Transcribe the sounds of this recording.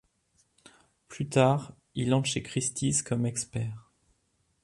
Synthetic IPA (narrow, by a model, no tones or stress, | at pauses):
plyt̪aːʁ | ilɑ̃ʃekχist̪iskɔmɛkspɛːʁ